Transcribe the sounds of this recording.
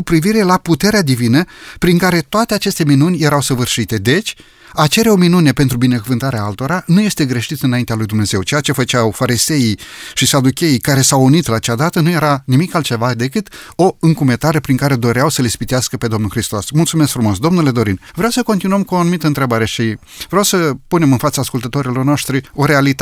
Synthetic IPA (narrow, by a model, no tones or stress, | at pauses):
kupɾiviɾe̞laput̪e̞ɾead̪ivinəpɾiŋkaɾe̞t̪oat̪e̞at͡ʃe̞st̪e̞minunʲje̞ɾawsəvɨrʃit̪e̞d̪e̞t͡ʃʲ | at͡ʃe̞ɾeo̞minune̞pe̞nt̪ɾubine̞kuvɨnt̪aɾeaalt̪o̞ɾanuje̞st̪e̞ɡɾe̞ʃit̪ɨnaint̪ealujd̪umne̞ze̞wt͡ʃe̞jat͡ʃe̞fət͡ʃawfaɾise̞iʃisad̪ukʲe̞ikaɾe̞sawunit̪laːt͡ʃad̪at̪ənuje̞ɾanimikalt̪t͡ʃe̞vad̪e̞kɨt̪o̞ɨŋkume̞t̪aɾe̞pɾiŋkaɾe̞d̪o̞ɾeawsəlespit̪easkəpe̞d̪o̞mnulxɾist̪o̞smult̪sume̞sk̚fɾumo̞sd̪o̞mnule̞d̪o̞ɾinvɾeawsəko̞nt̪inuəmkuoanumit̪əɨnt̪ɾe̞baɾe̞ʃi | vɾeawsəpune̞mɨnfat̪səaskult̪ət̪o̞ɾilo̞rno̞ʃt̪ɾio̞ɾe̞alit̪a